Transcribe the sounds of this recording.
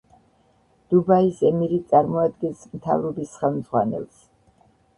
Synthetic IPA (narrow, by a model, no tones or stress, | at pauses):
d̪̥ubaisɛmiɾit̪sʼaɾmɔad̪̚ɡɛnsmt̪ʰa̰vɾɔbisχɛlˠmd̪zʁwa̰nɛ̰lˠs